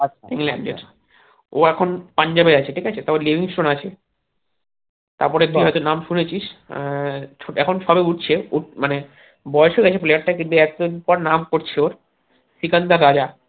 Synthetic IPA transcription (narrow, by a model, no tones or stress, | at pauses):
aiŋlaɳɖḛ | oɛkʰonpaɲd͡ʑabeɾat͡ɕʰeʈʰikat͡ɕʰet̪aɾpɔɾelibʱiŋsʈɾonat͡ɕʰe | t̪aɾpɔɾekiɦɔjt̪onamʃunet͡ɕʰiʃ | t͡ɕʰoɛkʰonʃabeuʈ̚t͡ɕʰeumane | bɔeʃeɡɛt͡ɕʰeplejaɾʈakint̪uɛk̚t̪onpɔɾnamkoɾt͡ɕʰeoɾ | sikand̪aɾad͡ʑa